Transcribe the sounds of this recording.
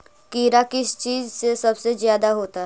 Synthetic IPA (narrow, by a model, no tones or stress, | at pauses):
kiːɾakɪst͡ʃiːzsesɐbsezjaːd̪aɦoːt̪aɦ